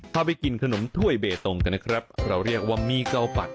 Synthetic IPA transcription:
t̪ʰaː˧˩p̬a˧jki˨˩nkʰa˧no˩˦mt̪ʰu˥˩əjbeː˨˩t̪o˨˧ŋka˧nːa˦˥kʰɾa˦˥p̚ɾa˧wɾi˥˩ək̚waː˥˩miː˧˥˩ka˧wpa˨˩t̪̚

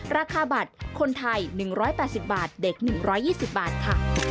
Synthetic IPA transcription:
ɾaː˧kʰaː˧ba˨˩t̪̚kʰo˧nt̪ʰa˧jnɯ˨˩ŋɾɔː˦˥jpɛː˨˩t̪̚si˨˩p̚baː˨˩t̪̚de˨˩k̚nɯ˨˩ŋɾɔː˦˥jːiː˥˩si˨˩p̚baː˨˩t̪̚kʰa˥˩

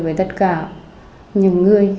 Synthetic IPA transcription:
vəː˧˩jt̪ə˦˥t̚kaː˧˩ | ɲɨ̰˧˨ŋːɨ˨˩əj

